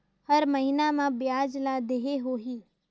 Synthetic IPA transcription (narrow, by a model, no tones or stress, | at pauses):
hɐɾməɦinamãbɪjaːd͡ʒlad̪eɦeɦoɦiː